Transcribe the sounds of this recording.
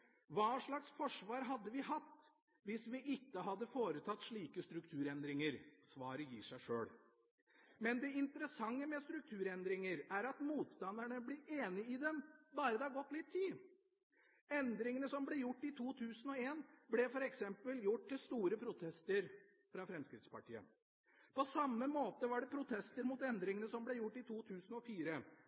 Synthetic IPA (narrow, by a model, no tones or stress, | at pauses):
ʋɑːʂɭɑksfɔʂʋɑːɾɦɑd̪ːəʋɪhɑt̪ː | ʋɪsʋɪʔɪkːəɦɑd̪ːəfoːɾət̪ʰɑt̪ːʂɭiːkəst̪ɾʉkt̪ʰʉːɾɛnd̪ɾɪŋəɾsʋɑːɾəjiːʂæɪʂø̰ːɽ | mɛnd̪ɛɪnt̪əɾəsɑŋːəmɛst̪ɾʉk̚t̪ʰʉːɾɛnd̪ɾɪŋəɾæɾɑt̪muːt̪st̪ɑnd̪əɳəblɪʔeːnɪɪd̪ɛmbɑːɾəd̪ɛhɑɾɡɔt̪ːlɪt̪ʰːiː | ɛnd̪ɾɪŋənəsɔmblɛjʊʈːɪt̪ʰuːt̪ʰʉːsənɔeːnblɛfɔɾɛksɛmpəljʊʈ̚ːt̪ːɪlst̪uːɾəpʰɾʊt̪ʰɛst̪əɾ | fɾɑfɾɛmskɾɪt̪spɑʈiːə̰ | pɔsɑmːəmoːt̪əʋɑɖɛpʰɾʊt̪ʰɛst̪əɾmut̪ɛnd̪ɾɪŋənəsɔmblɛjʊʈːɪt̪ʰuːt̪ʰʉːsənɔfiːɾə